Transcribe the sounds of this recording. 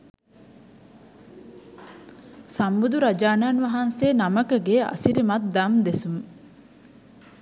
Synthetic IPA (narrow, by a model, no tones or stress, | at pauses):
sambud̪uɾad͡ʒaːnaːnʋɐɦanseːnaməkɐɡeːɐ̰siɾimɐt̪̚d̪ɐmd̪esum